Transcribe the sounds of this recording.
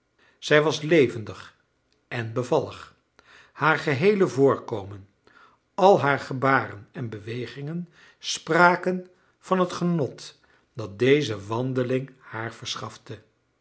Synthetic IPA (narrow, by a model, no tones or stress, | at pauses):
z̥ɛjʋɑslejvəndəχ | ʔɛnbəvɑlˠə̰χ | haːɹχəɦejləvʊːɹkowmən | ɑlˠɦaːɹχəbaːrənɛnbəʋejχɪŋən | spraːkən | v̥ɑnɦətχənɔt | d̥ɑt̚dejzəʋɑndəlɪŋhaːɹvəɹsχɑftə